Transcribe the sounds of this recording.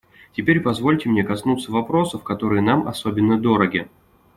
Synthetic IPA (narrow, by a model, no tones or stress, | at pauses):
tʲɪpʲeɾʲpɐzvo̞lʲtʲɪmnʲekɐsnut̪səvɐpɾo̞səfkɐt̪o̞ɾɨjənamɐ̰so̞bʲɪnːəd̪o̞ɾəɡʲɪ